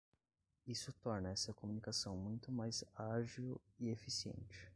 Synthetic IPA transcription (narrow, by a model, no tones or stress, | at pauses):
isʊt̪ɔɾnɐɛsɐkomũnikasɐ̃w̃mũj̃t̪ʊmajzaʒiwiefisiḛ̃nt͡ʃɪ̥